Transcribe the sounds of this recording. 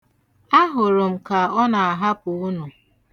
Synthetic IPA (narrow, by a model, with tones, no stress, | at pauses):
a˦ɦʊ˨ɾʊ˨m̩˨ka˨ɔ˦na˨a˨ɦa˦pʊ˨ʊ˦nʊ˨